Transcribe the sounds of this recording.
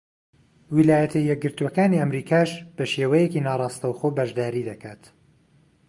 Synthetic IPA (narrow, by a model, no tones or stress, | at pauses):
wilaːjɐt̪ʰɐjːɛk̚ɡɨɾt̪uwɐkaːniɐmɾiːkʰaːʃb̥ɐʃeːwɐjekiːnaːrˤɑːst̪ɐwxoːbɐʒd̪aːɾiːd̪ɐkʰaːt̪